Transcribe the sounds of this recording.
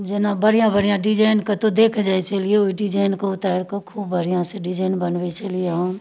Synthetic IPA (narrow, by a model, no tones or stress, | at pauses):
d͡ʒɪnabəɽijãbəɽijãɖɪd͡ʒaːɪnkat̪od̪eːkʰd͡ʒaet͡ʃɐlieoiɖɪd͡ʒaːɪnkoʊt̪aːɾkakʰuːbːəɽijãseɖɪd͡ʒaːɪnbənʋet͡ʃɐlieɦə̃